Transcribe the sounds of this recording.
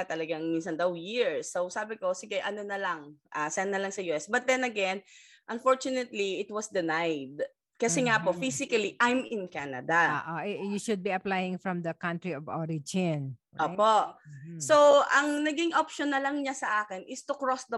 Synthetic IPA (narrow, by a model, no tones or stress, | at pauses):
ɐt̪ɐlɐɡaŋminsɐnd̪awjiɹsːowsaːbɪko̞sɪɡɐʔɐnonɐlɐŋʔasɛɐnːɐlɐŋsɐjuːʔɛsbɐt̪̚d̪ɛnɐɡɛn | ʔɐnfoɹt͡ʃʊnɛt̪liɪt̪wɐsd̪ɛnajd̪ | kɐsɛŋapofisɪkɐliʔajmɪ̃nkanɐd̪aoːʔoʔɛʔjuʃʊd̪̚biɐplajɪ̃ŋfɹɐmd̪ɐkãnt̪ɹiɔvo̰ɹɪd͡ʒɪn | ʔoːposowʔɐŋnɐɡiŋʔopʃɔnːɐlɐŋɲasɐʔaːkɪnʔɪst̪ʊkɹosd̪ɐ